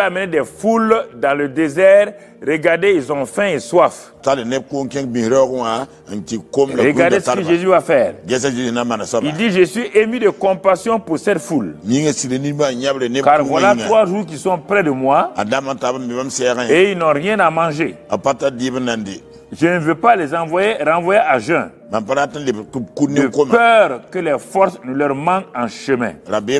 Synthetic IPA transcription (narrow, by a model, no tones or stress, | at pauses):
amənedɛfuldãlədezɛɾ | ɾəɡaʁdeilzɔ̃fɛ̃eswaf | talenɛb̚kuŋkɛ̃ŋbĩhɾokŋa | ŋkikomlaɾəɡaʁddesəkəʒezyvafɛːʁɡɛs̬aʒezinamanasabildiʒəsɥiʔemydəkɔ̃pasjɔ̃puɾsɛtfulmiŋesiɾenimaɲabɾenkaɾvwalaŋt̪ɾwaʒuːɾk̬isɔ̃pɾɛdəmwaa̰damãtabaibamsɛːɡɛ̃eilnɔ̃ɾjɛ̃namãʒeapatadibənandi | ʒənəvøpalɛzãvwajeɾãvwajeʔaʒɛ̃ | mampaɾatilebtub̚kuniəkompɛːɾkəlɛfɔɾsnəlœɾmãɡãʃəmɛ̰̃ɾabe